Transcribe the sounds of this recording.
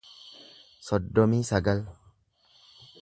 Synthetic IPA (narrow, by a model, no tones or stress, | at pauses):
sɔd̪ːɔmiːsɐɡɐl